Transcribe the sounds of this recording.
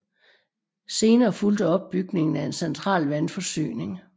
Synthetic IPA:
se̝ːnɐːfuld̥əɒ̽b̥̚ːyɡ̥ne̝ŋn̩æe̝nsent͡sʰʁɑ̰̈ːlʋænfɒ̽sy̰ːne̝ŋ

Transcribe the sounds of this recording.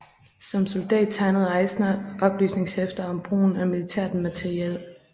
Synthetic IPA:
sɒ̽mso̝ld̥ɛ̰ːd̥̚t͡sʰɑ̈ɪnəð̞̩ˠɑ̈ɪsnʔɒ̽b̥ly̰ːsne̝ŋshefd̥ɐɒ̽mb̥ʁṵːn̩æmilit͡sʰæɐ̰d̥n̩mæt͡sʰeʁiel

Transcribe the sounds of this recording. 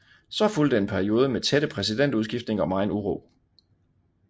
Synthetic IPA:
sɒ̽fuld̥əe̝npʰæɐio̝ːð̞ˠəmet͡sʰeɾ̥əpʰʁɛsid̥en̰d̥uðˠsɡ̥ifd̥ne̝ŋɒ̽mɑ̈ɪnuʁo̰ː

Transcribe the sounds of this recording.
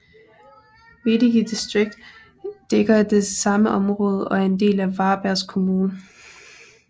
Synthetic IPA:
mediɡid̥isd̥ʁeɡ̥̚d̥ː | eɡ̥ɐd̥e̝sɑ̈məʔɒ̽mʁɔ̽ːð̞ˠɒ̽æɐe̝nd̥e̝̰ːlæʋɑ̈ːb̥æɐskʰo̝muːnə

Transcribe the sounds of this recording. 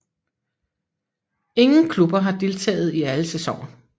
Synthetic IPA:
e̝ŋn̩kʰlub̥ɐɦɑ̈d̥e̝lt͡sʰɛ̰ːð̞̩ˠiæləsesɒ̰ŋ̰ɐ

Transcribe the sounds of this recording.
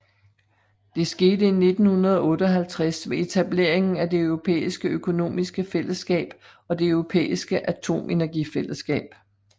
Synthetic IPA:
d̥e̝sɡ̥e̝ːdəine̝d̥n̩hunɐð̞ˠɒɔ̽ːd̥əɒ̽ɦælt͡sʰʁasʋe̝e̝t͡sʰæb̥le̝ɐ̰e̝ŋn̩æd̥e̝œʊʁo̝pʰḛːisɡ̥əøkʰo̝no̝̰ːmisɡ̥əfel̰əsɡ̥ɛ̰ːb̥ | ɒ̽d̥e̝øʊʁo̝pʰḛːisɡ̥əʔæt͡sʰo̝̰ːmʔe̝næɐɡ̥ifel̰əsɡ̥ɛ̰ːb̥

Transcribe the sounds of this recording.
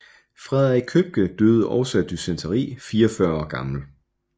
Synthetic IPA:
fʁɛðˠɐiɡ̚kʰøb̥̚ɡ̥əd̥øð̩ˠʔɒʊsæd̥ysent͡sʰɐʁḭːfiːɐfɶɐɒ̰ːɡ̥ɑ̈ml̩

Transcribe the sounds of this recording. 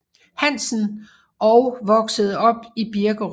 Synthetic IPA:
hæn̰sn̩ | ɒʊʋɒ̽ɡ̥səð̞̩ˠɒ̽b̥ib̥iɐɡ̥əʁ

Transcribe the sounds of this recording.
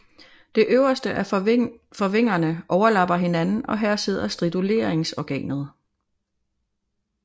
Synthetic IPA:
d̥e̝ʔøʊɐsd̥əʔæ | fɒ̽ʋe̝ŋ̰ɐnəʔɒʊɐlɑ̈b̥ɐɦe̝nænn̩ɒ̽ɦæɐ̰se̝ð̞ˠɐsd̥ʁid̥ule̝̰ːɐeŋsɒɡ̥ɛ̰ːnð̞̩ˠ

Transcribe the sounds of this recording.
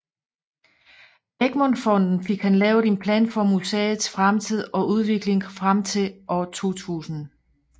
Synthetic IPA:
eɡ̥mɒnfɒ̽n̰d̥n̩fe̝ɡ̥hænlɛːʊe̝npʰlɛ̰ːnfɒ̽musḛːð̩ˠsfʁamt͡sʰið̞̰ˠɒ̽ʔuð̞ˠʋe̝ɡ̥le̝ŋfʁamt͡sʰe̝ʔɒt͡sʰo̝̰ːt͡sʰṵːsn̩

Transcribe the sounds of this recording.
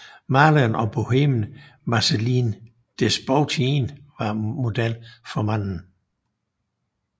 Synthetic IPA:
mɑːlənɒ̽b̥o̝hemn̩mɑselin | d̥esb̥ɔʊt͡sʰinʋɑ̈mo̝d̥elfɒ̽mæn̰n̩

